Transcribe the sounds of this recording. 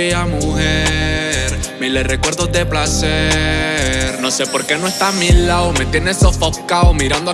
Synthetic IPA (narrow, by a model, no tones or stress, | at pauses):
iamuheɾ | melerekwe̞ɾðozðe̞plase | ɾnosepo̞ɾke̞nwoest̪amilaoment̪jenesofokaomiɾand̪o